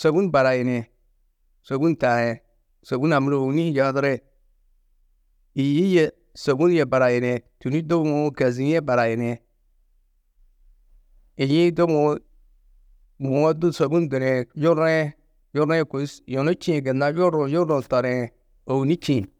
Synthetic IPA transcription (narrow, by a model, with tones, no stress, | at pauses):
so˨bu˦nba˨ɾa˨je˨ne˨ | so˨bu˦nta˨je˨ | so˨bu˦na˨mi˦ɾo˨wu˦ni˦d͡ʒa˨˦dɾe˦ | i˨ji˦je˦˨ | so˨bu˦nje˨ba˨ɾa˨je˨ne˨tu˨ni˦do˦bmo˦ka˨zi˦e˦ba˨ɾa˨je˨ne˨ | i˨jĩ˦do˦o˨˦ | mo˨o˦du˦so˨bu˦nde˨ɾe˨jo˦ɾe˦ | jo˦ɾe˦˨ko˨˦sjo˨no˦t͡ʃĩ˦˨ɡe˨na˦jo˦ɾo˨jo˦o˨ta˨ɾe˨ | o˨wu˨ni˦t͡ʃĩ˨n